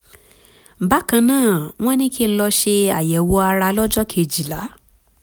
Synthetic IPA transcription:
ba˦kã˧nãː˦˨w̃ɔ̃˦nĩ˦ki˦˧lɔ˧ʃe˧a˨jɛ˨wo˧a˧ɾa˧lɔ˦d͡ʒɔ˦kʰe˧˨d͡ʒi˨la˨˦

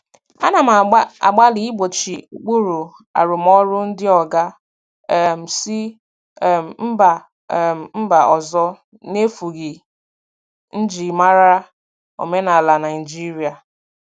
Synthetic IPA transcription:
a˦na˨m˨˦a̰˨ɡ͡ba˦li˨˦i˦ɡ͡bo˨t͡ʃi˨u˨k͡pu˦ɾu˨ | a̰˨ɾʊ˨mɔ˦ɾʊ˦n̩˦dɪ˦ɔ˨ɡa˦˨ | m̩˨si˦˨ | m̩˦ba˨ | m̩˦ba˨ɔ˨zɔ˦ | ne˦fu˨ɣi˨ | n̩˦d͡ʒi˨ma˦ɾa˦ | o̰˨me˦na˨la˨na˨ɪ˨d͡ʒi˦ɾi˨a˨

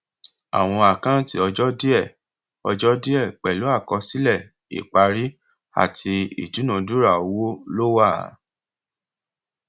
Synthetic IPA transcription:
a̰˨w̃ɔ̃˧a˨kã˦ti˦ɔ˧d͡ʒɔ˦di˦ɛ˦˨ | ɔ̰˧d͡ʒɔ˦di˦ɛ˦˨k͡pɛ˨lo˨˦a˦˨kɔ˧si˦lɛ˦˨ | ḭ˨k͡pa˧ɾi˦ | a̰˨tʰi˧ḭ˨du˨˦nã˨du˦ɾa˦˨o˧wo˦lo˦wa˦˨˦

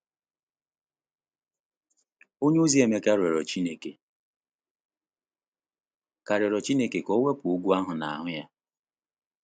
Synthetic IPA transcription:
o˦ɲ˦u˦zi˦e˨me˨ka˦ɾe˨ɾɔ˨t͡ʃi˦ne˨ke˨ | ka˨ɾe˨ɾɔ˨t͡ʃi˦ne˦ke˨kɔ˦we˦pu˦ɡʷu˦a˦ɦʊ˨na̰˨a˨ɦʊ˦ja˦

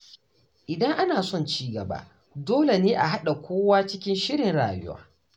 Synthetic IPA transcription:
ʔɪ˨dɐ˦ŋʔa˦naː˨sɔ˦˨nt͡ʃiː˦ɡɐ̰˨ba̰ː˦ | doː˦le˨neː˦ʔa˨ɦa˦ɗa˨kʷʰoː˦waː˦t͡ʃɪ˦kʲɪ˦nʃɪ˦ɾɪ˨nɽa̰ː˨jʊ̰˦wa̰ː˦

